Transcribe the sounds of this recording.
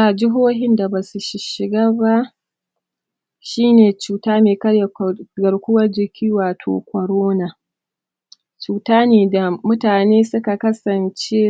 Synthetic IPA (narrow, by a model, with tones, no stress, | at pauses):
a˨d͡ʒɪ˦ɦoː˦ɦɪ˦nda˨ba˨su˨ʃɪ˨ʃɪ˨ɡaː˦ba˦ | ʃiː˦neː˨t͡ʃuː˨taː˦meː˨kɐ˦ɽja˨ɡɐ˨ɽkʷʊ˦wɐ˦rd͡ʒɪ˨kʲʰiː˦waː˨tʰo̰ː˨kʷɔ˨ɾoː˦na˨ | t͡ʃuː˨taː˦neː˨da˨mʊ˦taː˨neː˦sʊ˦ka˨kɐ˦sɐ˨nt͡ʃe˦